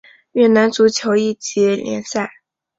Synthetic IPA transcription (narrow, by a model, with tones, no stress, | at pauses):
ɥɛ˥˩na˧˥nt͡su˧˥t͡ɕʰjo˧˥ʊi˥˩t͡ɕi˧˥ljɛ̰˧˥nsa˥˩ɪ